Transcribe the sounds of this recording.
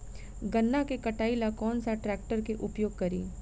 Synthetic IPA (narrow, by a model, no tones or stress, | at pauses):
ɡɐnːakekɐʈaːilakɔːnsaʈɾɛːk̚ʈəɾkeʔʊpjoːɡ̚kɐɾḭː